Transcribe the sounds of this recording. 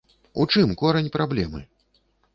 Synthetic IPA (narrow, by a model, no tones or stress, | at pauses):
ṵt͡ʂɨmkɔɾɐnʲpɾablʲɛmɨ̰